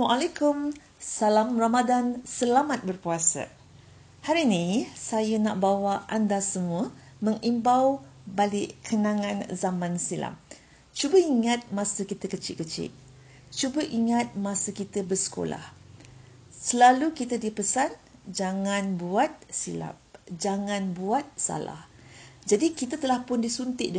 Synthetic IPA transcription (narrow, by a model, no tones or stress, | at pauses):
aʔalakʊm | salamramadansəlamat̪̚bərpuasə̰ | haɾinĩsajənaʔbawaʔandasəmũə | mə̃ŋimbawbaliʔkʰənãŋãnzamãnsila̰m | t͡ʃubəiŋat̪̚mãsəkit̪əkət͡ʃɪʔ̪̚kət͡ʃɪ̰ʔ̪̚ | t͡ʃubəʔiŋat̪̚mãsəkit̪əbərsə̥ko̰la̰h | səlalukit̪ədipəsand͡ʒaŋanbuat̪̚sila̰p̚d͡ʒaŋãnbuat̪̚sa̰la̰h | d͡ʒadikit̪ət̪əlahpʊndisunt̪ɪʔdə